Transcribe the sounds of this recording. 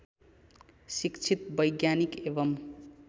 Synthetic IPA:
sikt͡sʰit̪̚bʌjɡjanikebʌm

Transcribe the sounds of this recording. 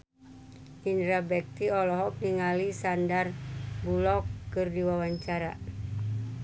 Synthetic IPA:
indɾabɛk̚t̪iɔlɔɦɔk̚niŋalisandarbulɔkːɨrdiwawaɲt͡ʃaɾa̰

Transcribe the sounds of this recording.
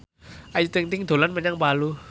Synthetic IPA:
ʔajut̪iŋt̪iŋd̪̥o̤lanmɛɲaŋpalu

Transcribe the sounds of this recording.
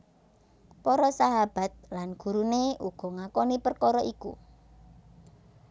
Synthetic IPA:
pɔɾɔsaɦab̥a̤t̪̚lanɡ̥ṳɾuneuɡ̥ɔ̤ŋakɔnipərkɔɾɔʔikṵ

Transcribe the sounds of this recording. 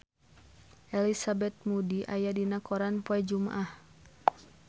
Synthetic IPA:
ʔɛlisabɛt̪̚mudiʔajadinakɔɾanpɔɛd͡ʒuma̰ʔah

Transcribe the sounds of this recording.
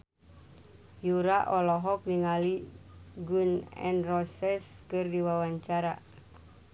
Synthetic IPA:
juɾaʔɔlɔɦɔk̚niŋaliɡunɛ̰nrɔsɛskɨrdiwawaɲt͡ʃaɾa̰

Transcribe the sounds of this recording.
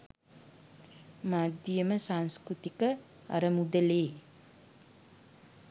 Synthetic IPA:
mad̪ijəməsaŋskɾut̪ikə | a̰ɾəmud̪əleː

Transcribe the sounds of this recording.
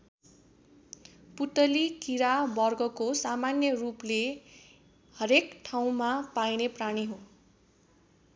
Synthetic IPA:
put̪ʌlikiɾabʌrɡʌkosamanjʌruple | hʌɾekʈʰaw̃mapajnepraɽ̃iɦõ

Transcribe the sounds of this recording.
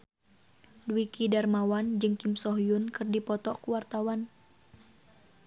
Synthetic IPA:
duwikidarmawand͡ʒɨŋkimsɔɦijunkɨrdipɔt̪ɔkuwart̪awan

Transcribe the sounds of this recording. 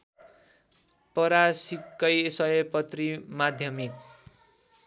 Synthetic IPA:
pʌɾasikːʌjsʌʌpʌt̪rimad̪ʱjʌmik

